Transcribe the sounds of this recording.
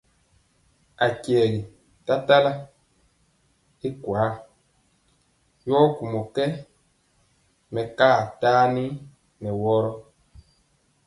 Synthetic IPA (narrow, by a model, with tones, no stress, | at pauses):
a˨kjɛ˨ɣi˨ | ta˦ta˦la˦ | i˦kwaː˨˦ | jɔ˦ku˨mɔ˨kɛ˦ | mɛ˨kaː˦˨taː˦ni˦ | nɛ˨wɔ˦ɾɔ˦